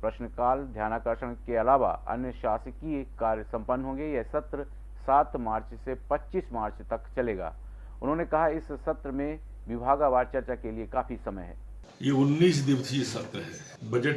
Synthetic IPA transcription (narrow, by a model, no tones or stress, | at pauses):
pɾɐʃnəkaːld̪ʱjaːnaːkəɾʃə̃nkeɐlaːʋa̰ʔɐ̰njəʃaːsəkieːkːaːɾjəsɐ̃mpənːɦõːŋ̆ɡejɛsɐt̪ɾə | saːt̪ʰmaːɾt͡ʃsepɐtːʃiːsmaːɾt͡ʃt̪ɐkt͡ʃɐleːɡa̰ː | ʊnɦõːnekɐɦaɪsːɐt̪ɾəmẽ | ʋɪbʱaːɡaʋaːɾt͡ʃɐɾt͡ʃakeliekaːfʰisɐməjɦɛ̰ː | jeʊnːiːsd̪ɪʋsjesɐt̪ɾəɦɛː | bɐd͡ʒeʈ